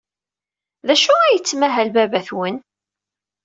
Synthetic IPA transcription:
ðæʃuæjət͡sːmæɦælbæbæθwən

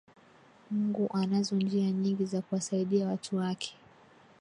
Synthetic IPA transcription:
muŋɡuʔanazɔnd͡ʒiaɲiŋɡizakuwasaiɗiawatʰuwakʰɛ̥

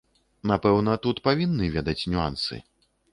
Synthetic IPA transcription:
napɛwnɐt̪ut̪pavʲinːɨvʲɛd̪ɐt͡sʲnʲua̰nsɨ̰

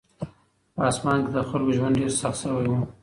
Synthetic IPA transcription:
pɑsmɑnked̪əxʊlɡoʒwand̪̚ɖeɾsaxt̪səwajwu

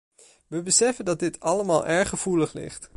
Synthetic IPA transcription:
ʋəbəsɛfəndɑt̚dɪtɑləmaːlˠʔɛɹχəv̥uləχlɪ̰χt

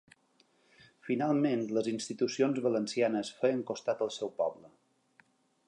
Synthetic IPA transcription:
finalˠmenləzinst̪it̪usionzβələnsianəsfejəŋkost̪at̪əlˠsɛwpɔblə

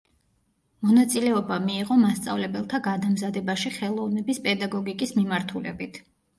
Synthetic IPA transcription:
mɔnat̪sʼilɛɔbamiːʁɔmast̪sʼa̰vlɛbɛlˠt̪ʰaɡad̪amzad̪ɛbaʃiχɛlˠɔvnɛbispʼɛd̪aɡɔɡikʼismimaɾt̪ʰulɛ̰bit̪ʰ

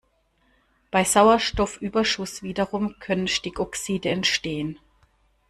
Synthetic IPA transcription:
b̥aɪzaʊɐʃtɔfʔyːbɐʃʊsv̥iːdɐʁʊmkʰœnənʃtɪkɔksiːdəɛntʃteːən

